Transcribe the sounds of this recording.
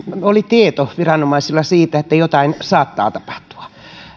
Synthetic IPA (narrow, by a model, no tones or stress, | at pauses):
olit̪iet̪oʋirɑnomɑisilːɑsiːt̪æet̪ːæjot̪ɑinsɑːt̪ːɑ̰ːt̪ɑpɑ̥ht̪u̥ɑ̥